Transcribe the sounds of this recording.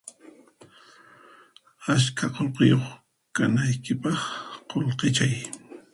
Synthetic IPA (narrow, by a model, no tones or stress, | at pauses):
askʰaqolqɪjoχ | kanajkɪpɑχqolqɪt͡ʃaj